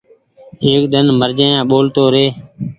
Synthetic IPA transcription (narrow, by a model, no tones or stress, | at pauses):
eːk̚ɗ̪ənməɾd͡ʒeːãːɓoːlt̪oːɾeː